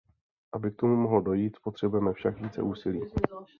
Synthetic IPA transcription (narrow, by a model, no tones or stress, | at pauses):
ʔabɪk̚t̪o̞mumo̞ɦlodo̞jiːt̪spo̞t̪r̝̥ɛbujɛmɛfʃakviːt͡sɛ̰ʔuːsɪliː